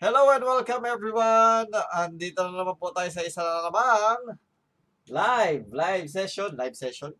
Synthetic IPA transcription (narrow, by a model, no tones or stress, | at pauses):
hɛlowɛ̃nwɛlkɐ̃mɛvɹiwanɐnd̪it̪onɐnnɐmanpot̪aːjos̬ɐɪsanɐɐlɐmaŋ | lajvlajvs̬ɛʃonlajvsɛʃon